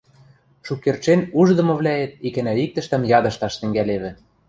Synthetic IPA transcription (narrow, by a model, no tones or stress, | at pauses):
ʃukːert͡ʃenuʒd̪ɤ̆mɤ̆βlʲæet̪̚ikɘ̆næik̚t̪ə̆ʃt̪ə̆mjɑd̪ɤ̆ʃt̪ɑʃt̪ɘ̆ŋɡæleβɘ̆